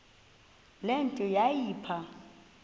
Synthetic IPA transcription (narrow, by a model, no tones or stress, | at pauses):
lentʼɔjajiːpʰa